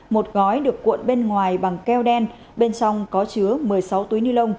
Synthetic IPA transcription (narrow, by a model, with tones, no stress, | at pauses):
mo˨˩t̚ɣɔ˨˦jɗɨ˨˩əkːwṵ˧˨nɓe˧nŋwaː˨˩jɓa˨˩ŋkɛ˧wɗɛ˧n | ɓe˧nt͡ɕɔ˧wŋ͡mkɔ˨˦t͡ɕɨ˨˦əmɨ˨˩əjsa˨˦wt̪u˨˦jnɨ˧lə˧wŋ͡m